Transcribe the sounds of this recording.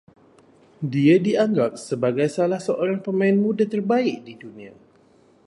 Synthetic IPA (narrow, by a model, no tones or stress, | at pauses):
diadiaŋɡap̚səbaɡajsalahsəʔoɾaŋpəmãɪnmũdat̪ərbaɪk̚didunĩa